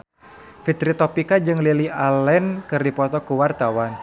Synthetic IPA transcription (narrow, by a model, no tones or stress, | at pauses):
fit̪ɾit̪ɔpikad͡ʒɨŋliliʔalɛnkɨrdipɔt̪ɔkuwart̪awan